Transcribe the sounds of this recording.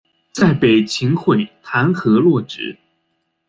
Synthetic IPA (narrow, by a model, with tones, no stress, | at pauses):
t͡sa˥˩ɪpe˨˩ɪt͡ɕʰi˧˥ŋxwe˥˩ɪt̪ʰa˧˥nxɤ˧˥lwɔ˥˩ʈ͡ʂɻ̩˨˩˥